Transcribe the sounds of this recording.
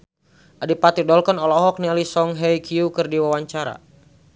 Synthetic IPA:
ʔadipat̪idɔlkɔnɔlɔɦɔk̚nialisɔŋɦɛjkʰiukɨrdiwawaɲt͡ʃaɾa̰

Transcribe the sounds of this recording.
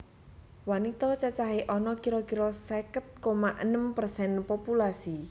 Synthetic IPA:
wanit̪ɔt͡ʃat͡ʃaɦeʔɔnɔkiɾɔɡiɾɔsɛkət̪̚komaʔənəmpərsɛnpopulasi

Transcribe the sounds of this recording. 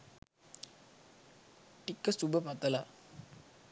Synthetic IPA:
ʈikːəsubəpat̪əla

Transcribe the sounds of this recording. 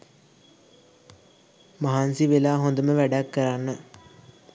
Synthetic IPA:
mɐɦansiʋelaːɦond̪əməʋæɖakːɐɾanːə

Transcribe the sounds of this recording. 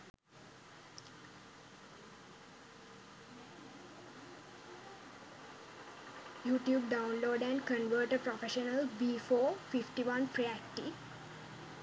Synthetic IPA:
juːʈjuːb̚ɖaʊ̃nloːɖæ̃ɳɖkə̃nʋəːʈəpɾɔfeʃənəlbiːfoːfifʈiʋãnpɾiækʈi

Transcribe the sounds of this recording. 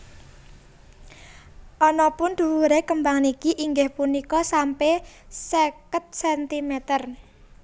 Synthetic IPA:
ʔɔnɔpʊnd̪̥ṳwuɾekəmbaŋnikiʔiŋɡɪhpunikɔsampesekət̪̚sɛnt̪imet̪ər

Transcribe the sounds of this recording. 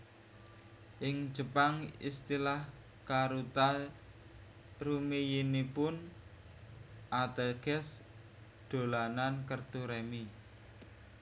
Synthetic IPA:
ʔɪŋ̥d͡ʒ̥ə̤paŋḭst̪ilah | kaɾut̪a | rumijinipʊn | ʔat̪əɡ̥ɛs | d̪̥o̤lanankərt̪uɾɛmi

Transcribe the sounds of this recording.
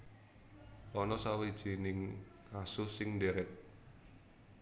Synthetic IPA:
ʔɔnɔsawed̥ʒ̥i̤nɪŋ | asʊsɪŋdeɾɛt̪̚

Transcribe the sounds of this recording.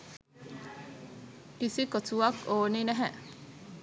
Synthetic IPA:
ʈisikotuakoːninɛɦæ

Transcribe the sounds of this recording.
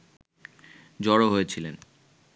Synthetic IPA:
d͡ʑɔɽoɦoet͡ɕʰilen

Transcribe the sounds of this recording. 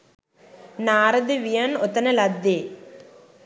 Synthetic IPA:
naːɾɐd̪ɯʋijɐnɔt̪ːɐnɐlɐd̪ːeː

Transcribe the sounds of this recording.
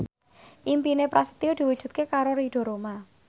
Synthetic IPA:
ʔimpinepɾasə̥t̪iod̥̪i̤wu̥ʒ̥ṳt̪̚kekaɾoɾiɖ̥ɔ̤ɾoma

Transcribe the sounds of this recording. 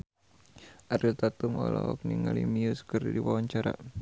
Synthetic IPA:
ʔaɾilt̪at̪umɔlɔ̰ɔk̚niŋalimiuskərdiwawaɲt͡ʃaɾa̰

